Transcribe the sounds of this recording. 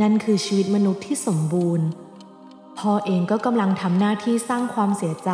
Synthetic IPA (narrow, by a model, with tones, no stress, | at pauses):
na˥˩nkʰɯː˧t͡ɕʰiː˧wi˦t̪̚ma˧nu˦˥t̪ʰːiː˥˩so˩˦mbuː˧n | pʰɔː˧ʔeː˧ŋkɔː˥˩ka˧mla˧ŋt̪ʰa˧mnaː˥˩t̪ʰiː˥˩saː˥˩ŋkʰwaː˧msi˩˦t͡ɕa˧